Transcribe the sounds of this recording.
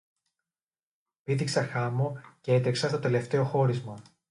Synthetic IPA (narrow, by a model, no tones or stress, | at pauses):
piðiksɐxɐmoce̞et̪ɾeksɐt̪o̞t̪e̞le̞ft̪e̞o̞xo̞ɾizmɐ